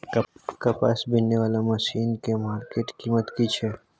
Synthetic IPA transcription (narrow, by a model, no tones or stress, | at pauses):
kkɐpa̰sbɪnːeʋaːlamɐʃiːnkemaːɾkeːʈkiːmət̪kit͡ʃʰeː